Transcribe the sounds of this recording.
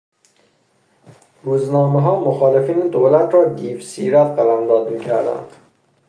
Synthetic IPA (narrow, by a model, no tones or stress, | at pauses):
ɾuːznɒːmeɦɒːmoxɒːlefiːned̪oːlæt̪ʰɾɒːd̪iːfsḭːɾæt̪ɢælæmd̪ɒːd̪miːcʰæɾd̪æ̰nd̪̥